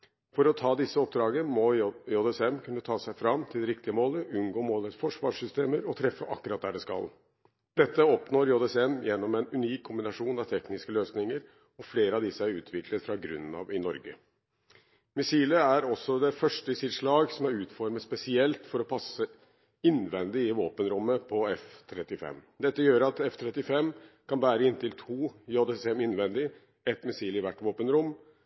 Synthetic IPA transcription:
fɔɾɔt̪ʰɑːd̪ɪsːəɔp̚d̪ɾɑːɡəəmɔjoːd̪ɛsɛmkʉnːət̪ʰɑːsæɪfɾɑmːt̪ʰɪlɾɪkt̪ɪəmoːləʔʉnɡoːmoːləfɔʂʋɑːʂʏst̪eːməɾɔt̪ʰɾɛfːəʔɑ̰kːʉɾɑt̪̚d̪æːɖ̪ɛskɑ̰l | d̪̥ɛt̪ːəɔpnoːɾjoːd̪ɛsɛmjɛnːɔmɛnʉniːkʰːʊmbɪnɑʂuːnɑʋt̪ʰɛknɪskəløːsnɪŋəɾ | ɔfleːɾəɑʋd̪ɪsːəæɾʉ̰ːt̪ʰʋɪklət̪fɾɑɡɾʉ̰nːənɑ̰ːʋɪnɔɾɡə | mɪsiːləæɾɔsːɔd̪ɛfœʂʈəɪsɪlʂlɑːɡsɔmæɾʉːt̪fɔɾmət̪spɛsɪɛlt̪fɔɾɔpʰɑsə | ɪnʋɛnd̪ɪɪʋoːpənɾʊmːəpʰɔɛft̪ʰɾɛt̪ːɪfɛ̰mːd̪ɛt̪ːəjøːɾəɑt̪ɛft̪ʰɾɛt̪ːɪfɛmːkʰɑnbæːɾəɪnt̪ɪlt̪ʰuːjoːd̪ɛsɛmɪnʋɛnd̪ɪ | ɛt̪mɪsiːlɪʋæʈʋoːpənɾʊmː

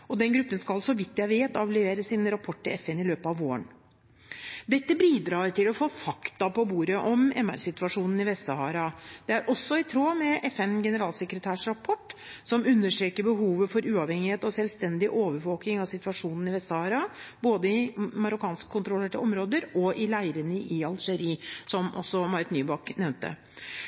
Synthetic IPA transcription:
ɔd̪ɛnɡɾʉpːənskɑlsɔʋɪt̪ːjæɪʋeːt̪ɑʋlɛʋeːɾəsɪnɾɑpʰɔʈːɪɛfɛnɪløːpəɑʋoːəɳ | d̪ɛt̪ːəbiːd̪ɾɑːɾt̪ɪlɔfoːfɑkt̪ɑpɔbuːɾəʔɔmɛ̰mæ̰ɾsɪt̪ʋɑʂuːnn̩ɪʋɛsəhɑːɾɑd̪̥ɛæɾʔɔsːɔɪt̪ʰɾoːmɛʔɛfɛnɡɛnəɾɑːlsɛkɾət̪ʰæːʂɾɑpʰɔʈːsɔmʉnːəʂʈɾeːkəɾbəɦuːʋəfɔɾʉːɑːʋhɛŋɪheːt̪ɔsɛlst̪ɛnd̪ɪʔoːʋəɾʋoːkɪŋɑsɪt̪ʋɑʂuːnn̩ɪʋɛsɑːɾɑboːd̪əɪmɑɾʊkʰɑːnskkʰːʊnt̪ɾɔleːʈəɔmɾoːd̪əɾɔʔɪlæɪɾənəʔɪɑlʂɛɾiːsɔmʔɔ̰sɔmɑɾt̪nyːbɑknɛʋnt̪ə̰

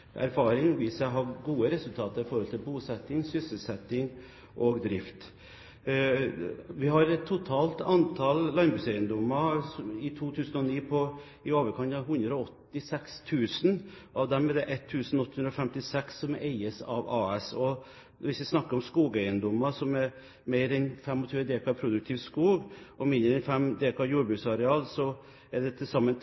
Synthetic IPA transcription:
æ̰ɾfɑːɾɪŋʋiːsæɦɑɡuːəɾɛsʉlt̪ʰɑːt̪əɾɪfɔɾhɔlt̪ʰɪlbuːsɛt̪ːɪŋsʏsəlsɛt̪ːɪŋ | ʔɔɡd̪ɾɪft̪ | ʋɪɦɑɾɛt̪ʰːʊt̪ʰɑːlt̪ɑnt̪ʰɑlːɑnbɾʉːsæɪənd̪ɔməɪt̪ʰuːt̪ʰʉːsənɔniːpʰɔ | ɪoːʋəɾkʰɑnt̪ɑɦʉnd̪ɾɔɔt̪ːɪsɛkst̪ʰʉːsn | ɑʋd̪æɾmeːd̪ɛʔɛt̪ʰːʉːsn̩ɔt̪ːhʉnɾɔfɛmt̪ɪsɛksːɔmeɪəsɑ̰ʋɑːɛsɔ | ʋɪsʋɪsnɑkːəɾɔmskuːɡæɪənd̪ɔməsɔmɛɾ | mæɪɾɛnfɛmːɔt̪ʰyːəd̪eːkʰɑpʰɾʊd̪ʉk̚t̪ʰiːʋskuːɡɔmɪnd̪ɾɛnfɛmd̪eːkʰojuːɾbʉːsɑɾɛɑːlsɔ | ɛɖɛt̪ʰɪlsɑmːən

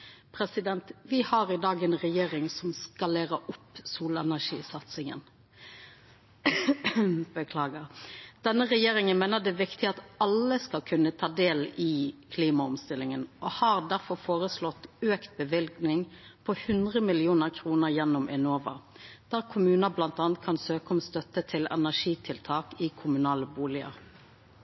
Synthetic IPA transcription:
pʰɾɛsɪd̪ɛnt̪ʋɪhɑʁɪd̪ɑːɡɛːnʁɛjeːɾɪŋsɔmskɑleːʁəʔʊpːsuːlɛnæʂiːsɑt̪sɪŋə̰n | b̥əkʰlɑːɡəɾd̪̥ɛnːəʁɛjeːɾɪŋənmeːnəd̪ɛːʋɪkt̪ɪɑt̪ɑlːəskɑlkʰʉnːət̪ʰɑːd̪eːlɪkʰliːmɑɔmst̪ɪlːɪŋənʔɔhɑʁd̪æʁfɔʁfoːʁəslɔt̪ːøːkt̪̚bəʋɪlɡnɪŋpʰɔhʉnd̪ʁəmɪlɪuːnəʁkʰʁuːnəʁjɛnːɔmʔɛnoːʋɑ̰d̪̥æːʁkʰʊmʉːnəblɑnt̪ɑːnt̪̚kʰɑnsøːkəɔmst̪œt̪ːət̪ʰɪlɛ̰næʂiːt̪ʰɪlt̪ʰɑːkɪkʰʊmʉnɑːləbuːlɪə̰ʁ

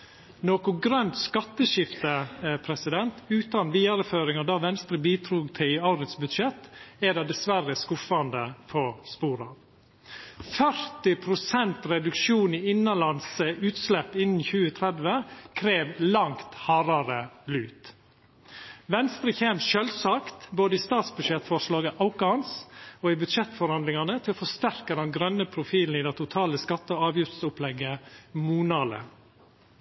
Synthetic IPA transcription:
noːkʊɡɾœnt̪skɑt̪ːəʃɪft̪əpʰɾɛsɪd̪ɛnt̪ʉːt̪ɑnʋiːd̪ɑɾəføːɾɪŋɑd̪ɑːʋɛnst̪ɾəbiːt̪ʰɾuːɡt̪ʰɪlɑɾəsbʉd̪ʃɛt̪ːædɑd̪ɛsʋæɾəskʊfɑnd̪əfɔspuːɾɑ | fœɾt̪ɪpʰɾʊsɛnt̪ɾɛd̪ʉkʃuːniːɪnːɑlɑnsəʉːt̪slɛpːɪnn̩çʉːət̪ʰɾɛd̪ʋəkʰɾeːʋlɑŋt̪hɑːɾɑɾəlʉːt̪ | ʋɛnst̪ɾəçɛmʃœlsɑkt̪boːd̪əiːst̪ɑːt̪sbʉd̪ʃɛt̪fɔʂlɑːɡəʔɑʊkɑnsoːiːbʉd̪ʃɛt̪fɔɾhɑnd̪lɪŋɑnət̪ʰɪlfɔʂt̪æɾkəd̪ɛnɡɾœnːəpʰɾʊfiːln̩iːd̪ɛt̪ʰʊt̪ʰɑːləskɑt̪ːəɔɑːʋjʏft̪sʊplɛɡəmuːnɑlə̰

